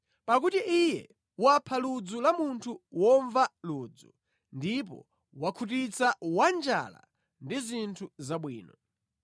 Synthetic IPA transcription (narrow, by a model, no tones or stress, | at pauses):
pak̬utiʔijɛ | wapʰalud͡zulamuntʰuwɔɱvaluːd͡zu | ndip̬ɔ̰ | wakʰutit͡sawand͡ʒa̰la̰ | ndizintʰuzaɓwiːnɔ